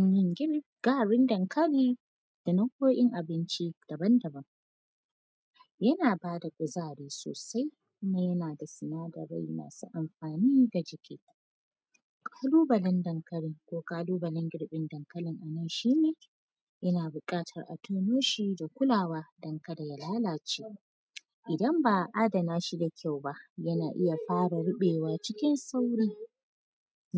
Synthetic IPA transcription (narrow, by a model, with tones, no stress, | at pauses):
ɪ˦ŋɡʲɪ˦ɾ | ɡ̥aː˦ɽɪ˦ndɐ˨ŋkʰɐ˦liː˦ | d̥a˨nɐ˦kʷoː˦ʔɪ˦ŋʔa˨bɪ˦nt͡ʃi˦d̥ɐ˨bɐ˦ndɐ˨bɐ˦ŋ | jɐ˦naː˨baː˦da˨kʷʼʊ˨zaː˦˨ɽiː˦so̰ː˨sa˦j | kʊ˦ma˦jɐ˦naː˨da˨sɪ˨naː˦dɐ̰˨ɾa̰˦˨jna̰ː˨sṵ˦ʔa˨mɸaː˨niː˦da˨d͡ʒɪ˨kʲʰḛː˦ | kʼaː˦luː˦bɐ˨lɐ˦ndɐ˨ŋkɐ˦ɽɪ˦ŋkʷoː˦kaː˦luː˦bɐ˨lɪ˦ŋɡʲɪ˦ɽɓɪ˦ndɐ˨ŋkɐ˦lɪ˨ŋʔa˨nɐ˦˨nʃiː˦neː˨ | ʔɐ˦naː˨bʊ˨kʼaː˦tʰɐ̰˨rʔa̰˨tʰoː˦noː˦ʃiː˦da˨kʷʊ˦laː˨waː˦dɐ˨˦ŋkɐ˦da˨ja˨laː˦laː˨t͡ʃeː˦ | ʔɪ˨dɐ˦mbaː˨ʔa˦dɐ˨naː˦ʃi˦da˨kʲʰa˦˨wba˦ʔjɐ˦naː˨ʔɪ˦ja˨ɸaː˦ɽa˨ɽʊ˦ɓeː˨waː˦t͡ʃɪ˦kʲɪ˦nsa˦wɽiː˦